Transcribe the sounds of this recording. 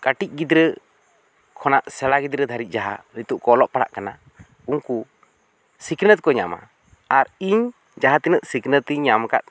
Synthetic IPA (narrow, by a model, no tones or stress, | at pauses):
kaʈic̚ˀɡid̪ɾə | kʰɔnaʔsɛɽaɡid̪ɾəd̪ʱaɾit̪̚ˀd͡ʒaɦa̰ɾit̪uʔkɔlɔʔpaɽa̰ʔkana | uŋku | siknət̪̚kɔɲa̰ma̰ | aɾiɲ | d͡ʒaɦat̪inəʔ̪siknət̪iɲamka̰t̪̚